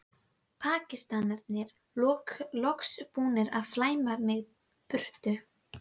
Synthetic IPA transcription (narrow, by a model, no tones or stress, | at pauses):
pʰaːcɪst̪anɛɾt̪nɪɾ̥ | lɔːklɔkspuːnɪɾaðflaːjmaɾmɛð | pʏr̥t̪ʏ